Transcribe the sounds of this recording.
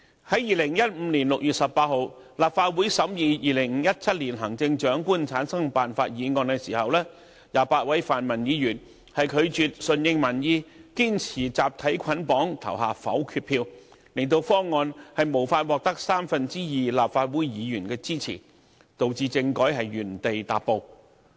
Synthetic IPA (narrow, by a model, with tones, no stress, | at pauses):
hɐ˨˥jiː˨lɪ˨˩ŋjɐ˥t̚m̩˨˧˥nliː˨˩nlʊ˨k̚jyː˨t̚sɐ˨pːaː˧t̚ho˨˧w | laː˨p̚faː˧t̚wu˨˥jsɐ˨˥mjiː˨˧jiː˨˩lɪ˨˩ŋŋ̩ː˨˧˦jɐ˥t̚t͡sʰɐ˥t̚liː˨˩nɦɐ˨˩ŋt͡sɪ˧ŋt͡ʃœː˨˥ŋkuː˥nt͡sʰaː˨˥nsɐ˥ŋpaː˨nfaː˧t̚jiː˨˧ŋɔː˧nkɛː˧siː˨˩hɐ˨wlɛː˥ | jaː˨˧paː˧t̚wɐ˨˥jfaː˨˩nmɐ˨˩njiː˨˧˥jyː˨˩n | hɐ˨jkʰɵ˨˧ɥt͡ʃyː˨˧t̚sɵ˧njɪ˧ŋmɐ˨˩njiː˧kiː˥nt͡sʰiː˨˩t͡saː˨p̚t̪ʰɐ˨˥jkʷʰɐ˨˥npɔː˨˥ŋt̪ʰɐ̰˨˩wɦaː˨fɐ̰˨˥wkʰyː˧˥t̚pʰiː˧w | lɪ˨˩ŋt̪o˧wfɔː˥ŋːɔː˧nhɐ˨jmo˨˩wfaː˧t̚wɔː˨˧k̚t̪ɐ˥k̚saː˥mfɐ˨nt͡siː˥jiː˨˩laː˨p̚faː˧t̚wuː˨˥jjiː˨˧jyː˨˩nkɛː˧t͡siː˥t͡sʰḭː˨˩ | t̪o˨wt͡siː˧t͡sɪ˧ŋkɔː˨˥jɦɐ˨jɥyː˨˩nt̪e˨jt̪a̰ː˨t̚pːo˨˧w